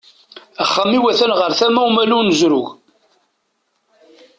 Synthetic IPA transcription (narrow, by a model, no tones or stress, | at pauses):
əχːəmːiwæθænʁəɾθæmæumælunəzɾʊɣ